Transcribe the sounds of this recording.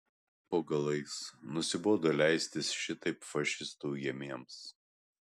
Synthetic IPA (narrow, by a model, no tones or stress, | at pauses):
poːɡɐlˠɐɪsnʊsʲɪboːd̪oːlʲæɪsʲt̪ʲɪsʃʲɪt̪ɐɪpfɐʃʲɪst̪uːjiɛmʲeɛms